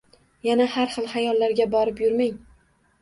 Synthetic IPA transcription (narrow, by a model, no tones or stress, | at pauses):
janahaɾχɨlˠhajɒlːaɾɡʲabɒɾɪpjʊɾmaŋ